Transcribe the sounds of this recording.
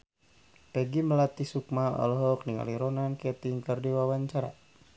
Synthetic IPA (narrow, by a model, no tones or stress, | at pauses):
pɛɡiməlat̪isuk̚maɔ̰lɦɔkniŋa̰liɾɔnankɛt̪iŋkərdiwawaɲt͡ʃaɾa̰